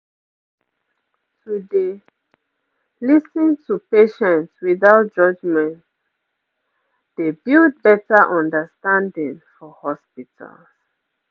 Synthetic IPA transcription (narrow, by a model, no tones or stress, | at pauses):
tude | lisĩntʰupeʃɛ̃ntswiðaʊt̚d͡ʒʌd͡ʒmɛ̃nt | d̥ebild̚bɛtaʔɔ̃ndəstãndĩŋfɔhɔspitʰa̰ls